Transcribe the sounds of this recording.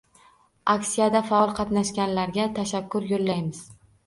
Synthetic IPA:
akʲsijad̪afaɒlˠqʰɑt̪naʃkʲanlaɾɡʲat̪ʰaʃakːʊɾjolːajmɪz̥

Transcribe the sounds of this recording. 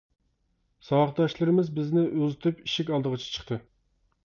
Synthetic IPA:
sɑwɑχd̪ɑʃlˠɨɾɨmɪzbɪznɪʔøzɪt̪ʰypiʃikʲɑlˠd̪əʁət͡ʃʰɛ̥t͡ʃʰə̥χt̪ɨ

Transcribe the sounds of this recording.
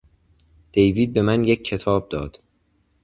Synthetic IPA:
d̪̥e̞jviːd̪̚be̞mænje̞cʰːe̞t̪ʰɒːb̚d̪ɒːd̪̥

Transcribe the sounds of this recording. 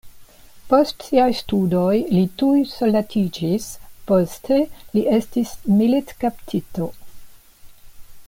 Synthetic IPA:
po̞stsiajstudojlitujsolːatʰid͡ʒispo̞stʰe̞liʔe̞stismilitkaptʰito

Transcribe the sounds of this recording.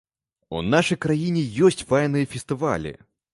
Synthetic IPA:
ṵnaʂɐjkɾajinʲɪjɔsʲtʲvajnɨjɐfʲɪst̪ɨva̰lʲɨ̰

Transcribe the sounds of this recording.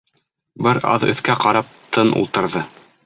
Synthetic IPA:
bɘɾɑ̰ðɵ̰̆θkæqɑɾɑp̚t̪ʰɤnṵlˠt̪ɤ̆ɾðɤ

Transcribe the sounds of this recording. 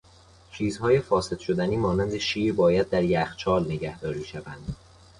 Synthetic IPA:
t͡ʃʰiːzhɒːje̞fɒːse̞d̪̥ʃod̪æniːmɒːnænd̪eʃiːɾbɒːjæd̪ːæɾjæxt͡ʃʰɒːlneɟæhd̪ɒːɾiːʃævænd̪̥

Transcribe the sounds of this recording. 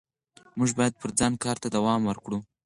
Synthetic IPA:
muʒbɑjad̪̚pəɾd͡zɑnkɑɾt̪ad̪awɑmwəɾkɽu

